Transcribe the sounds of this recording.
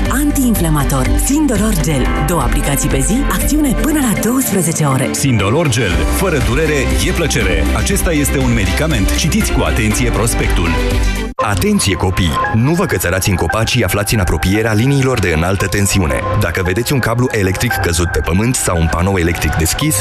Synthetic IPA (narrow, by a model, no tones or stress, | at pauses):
ant̪iːnflamat̪o̞rsind̪o̞lo̞rd͡ʒe̞l | d̪o̞wəaplikat̪sijpe̞ziakt̪siunepɨnəlad̪o̞wəspɾəze̞t͡ʃe̞o̞ɾe̞̰sind̪olo̞rd͡ʒe̞lfəɾəd̪uɾe̞ɾe̞je̞plət͡ʃe̞ɾe̞at͡ʃe̞st̪aje̞st̪e̞unme̞d̪ikame̞nt̪t͡ʃit̪it̪sʲkua̰t̪e̞nt̪sije̞pɾo̞spe̞k̚t̪ul | at̪e̞nt̪sije̞ko̞pijnuvəkət̪səɾat̪ʲɨŋko̞pat͡ʃiaflat̪sʲɨnapɾo̞pije̞ɾealiniːlo̞rd̪e̞ɨnalt̪ət̪e̞nsiune̞̰d̪akəve̞d̪e̞t̪ʲuŋkabluʔe̞le̞k̚t̪ɾikːəzut̪̚pe̞pəmɨnt̪sawunpano̞we̞le̞k̚t̪ɾikd̪e̞skʲis